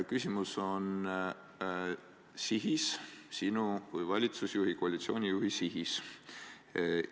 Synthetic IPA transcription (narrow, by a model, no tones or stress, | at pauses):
kysʲimuso̞n | siɦissinuvɤjvɑlʲit̪susjuɦikoɑlʲit̪sio̞ːnʲijuɦisiɦis